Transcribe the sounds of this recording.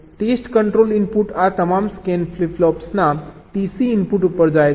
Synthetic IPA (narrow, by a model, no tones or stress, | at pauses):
ʈesʈkəɳʈɾolimpuːʈat̪əmamskɛnfliflɔpsnat̪isiːmpuːʈupəɾd͡zaj